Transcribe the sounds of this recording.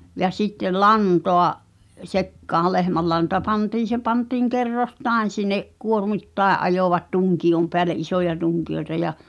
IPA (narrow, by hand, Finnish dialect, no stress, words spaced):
jɑ sitːel̆ lɑntoɑʔ sekːɑː lehmælːɑntɑ pɑntiːn̞ se pɑntiːŋ kerːostɑˑi̞n̞ sinˑeʔ kuormitːɑˑeʔ ʔɑjoʋɑt tuŋkiom peæle ʔisojɑ tuŋkioĕtɑ jɑ